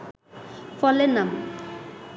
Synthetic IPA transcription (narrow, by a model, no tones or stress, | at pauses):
fɔlɛnam